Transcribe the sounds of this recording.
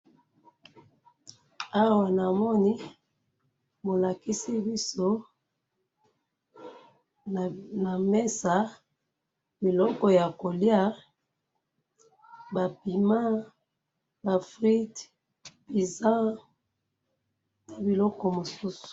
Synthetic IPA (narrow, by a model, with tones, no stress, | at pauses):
a˦wa˨na˨mɔ˦ni˦ | bo˨la˨ki˦si˦bi˦so˦˨ | na˨me˦sa˨ | bi˨lɔ˦kɔ˨ja˨ko˨lja˦ | ba˨pi˨ma˦ | ba˨fʁi˦t | bi˨zã˦ | na˨bi˨lɔ˦kɔ˨mo˨su˦su̥˨